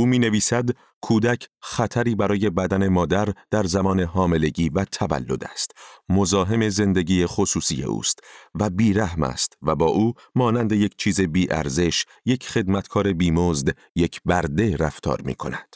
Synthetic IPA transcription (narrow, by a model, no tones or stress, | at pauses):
ʔuːmiːne̞viːsæd̪ | kʰuːd̪æcʰχæt̪ʰæɾiːbæɾɒːje̞bæd̪æne̞mɒːd̪æɾd̪̥æɾzæmɒːne̞ɦɒːme̞le̞ɟiːvæt̪ʰævæ̰lːo̞̰d̪æ̰st̪mozɒːɦe̞me̞ze̞nd̪eɟiːjexosuːsḭje̞̰ʔṵːst̪væbiːɾæhmæ̰st̪væbɒːʔuː | mɒːnænd̪e̞je̞cʰt͡ʃʰiːze̞biːʔæ̰ɾze̞ʃ | je̞cʰχe̞d̪mæt̪kʰɒːɾe̞biːmozd̪ | je̞cʰbæɾd̪e̞ɾæft̪ʰɒ̰ːɾmḭːkʰo̞̰næd̪̥